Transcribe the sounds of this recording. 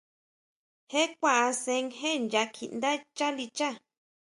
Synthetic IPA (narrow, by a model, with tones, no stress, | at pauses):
he˦kʷa˧ʔa˧sẽ˧ŋɦe˦nd͡ʒa˧kʰi˨nd̪a˦t͡ʃa˦li˧t͡ʃa˦